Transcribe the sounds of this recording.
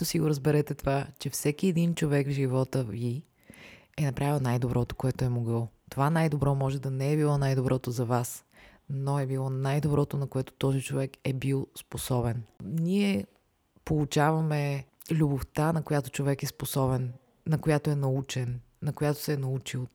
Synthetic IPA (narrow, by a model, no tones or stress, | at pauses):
t̪osiɡoɾəzbɛɾɛt̪ɛt̪ovat͡ʃɛfsɛkiɛd̪int͡ʃovɛɡvʒivɔt̪əvi | ɛnɐpɾʔavilˠnajd̪obɾʔɔt̪o̥koɛt̪oɛmoɡɤlˠt̪ovanajd̪obɾɔmɔʒɛd̪ɐnɛɛbilˠɔnajd̪obɾʔɔt̪ozɐvasnoɛbilˠɔnajd̪obɾɔt̪onɐkoɛt̪o̥t̪ɔzit͡ʃovɛkɛbilˠsposɔbɛnniɛ | polˠut͡ʃavɐmɛ | lʲʊboft̪anɐkojat̪o̥t͡ʃovɛkɛsposɔbɛnː | ɐkojat̪oɛnɐut͡ʃɛnː | ɐkojat̪o̥sɛnɐut͡ʃilˠ